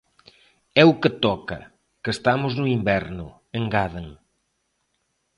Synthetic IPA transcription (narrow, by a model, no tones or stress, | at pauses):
ɛukət̪ɔkɐ̰ | kest̪amʊznʊimbɛɾnʊ | eŋɡaðeŋ